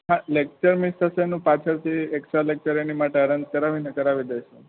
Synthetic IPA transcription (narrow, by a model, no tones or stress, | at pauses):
ɦãlek̚t͡ʃəɾmist̪ʰəsenũpat͡ʃʰəɾt̪ʰieksʈɾalek̚t͡ʃəɾenimaʈeəɾənd͡ʒkəɾaʋinekəɾaʋid̪ejʃʰe